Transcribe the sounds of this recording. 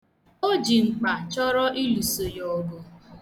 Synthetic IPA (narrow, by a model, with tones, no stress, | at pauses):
o˦d͡ʒi˨ŋ͡m̩˨k͡pa˨t͡ʃɔ˦ɾɔ˦ʔi˦lu˨so˨jɔ˨ɡo˨